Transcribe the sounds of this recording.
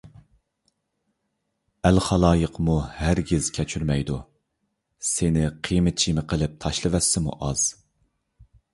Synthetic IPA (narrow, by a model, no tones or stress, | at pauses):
ælχɑlˠɑːjəqmuhæɾɡʲiz̥kʲʰɛt͡ʃʰyɾmɛjd̪u | sɪnɪqʰimɪt͡ʃʰimɪqʰəlˠɪp̚t̪ʰɑʃlˠɨvɛsːɪmṵʔɑz̥